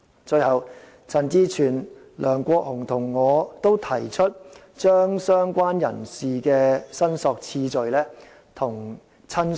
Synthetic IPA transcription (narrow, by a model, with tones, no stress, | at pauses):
t͡ʃɵ˧jhɐ˨˧w | t͡sʰɐ˨˧nt͡siː˥t͡ʃʰyː˨˩n | lœː˨˩ŋkʷɔː˧k̚hʊ˨˩ŋt̪ʰʊ˨˩ŋːɔː˨˧t̪o˥wt̪ʰɐ˨˩jt͡ʃʰɵ˥t̚ | t͡ʃœː˥ŋsœː˥ŋkʷaː˥njɐ̰˨˩nsiː˨kɛː˧sɐ˥nsɔː˧k̚t͡sʰiː˧t͡ʃɵ˨˧ɥlɛː˥ | t̪ʰʊ˨˩ŋ | t͡sʰɐ˥n